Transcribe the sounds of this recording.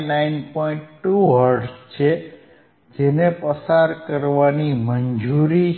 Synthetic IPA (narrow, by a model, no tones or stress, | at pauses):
nainpoiɳʈʈuɦəɾɖst͡ʃʰe | d͡ʒenepəsaɾkəɾʋanimənd͡ʒuɾi